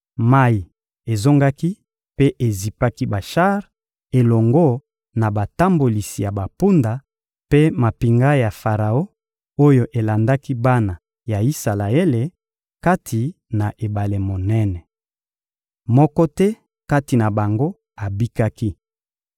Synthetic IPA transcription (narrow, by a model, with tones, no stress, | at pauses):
ma˦i˨ | e˨zo˦ŋɡa˦ki˦ | pe˦ʔe˨zi˨pa˦ki˦ba˨ʃa˦ʁ | e˨lɔ˨ŋɡɔ˦ | na˨ba˨ta˦mbo˨li˨si˨ja˨ba˨pu˦nda˨ | pe˦ma˨pi˨ŋɡa˦ja˨fa˨ʁa˨o˦ | o˦jo˨ʔe˨la˨nda˦ki˦ba˦na˨ | ja˨i˦sa˨la˨e˦le˨ | ka˦tʰi˨ | na˨ʔe˨ba˨le˨mo˨nɛ˦nɛ˨ | mɔ˦kɔ˦tɛ˦ | ka˦ti˨na˨ba˨ŋɡo˦ | a˨bi˦ka˦ki˦